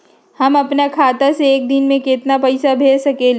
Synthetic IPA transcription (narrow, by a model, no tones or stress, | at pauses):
hɐmɐpnakʰaːt̪aseeːk̚d̪ɪnmẽkɪt̪napɐɪsabʱeːsɐkel